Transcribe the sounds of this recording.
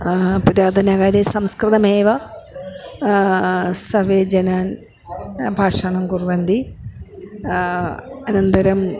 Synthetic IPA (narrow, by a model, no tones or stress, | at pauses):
pɐɾaːd̪ʱɐnaːɣaːɾesɐmskrɨt̪ɐmeːʋɐ | sɐrʋeːd͡ʑɐnaːn | bʱaːʂaːɳɐmkurʋɐnd̪i | ɐnɐnd̪ɐɾɐm